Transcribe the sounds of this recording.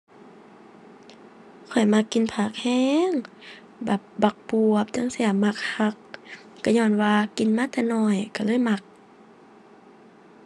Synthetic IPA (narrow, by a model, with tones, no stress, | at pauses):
kʰɔ˨˩jma˧kːi˧˨npʰaː˧˩k̚hɛː˧˥˨ŋ | ba˨˩p̚ba˧k̚pu˧əp̚t͡ɕa˧˥˨ŋsi˧˩˨əma˧k̚ha˧k̚ː | a˧˩ɲɔː˧˩nwaː˧ki˨nmaː˧˥˨t̪ʰɛː˧˩nɔ˧˩jka˧˩lɤː˧˥˨jma˧k̚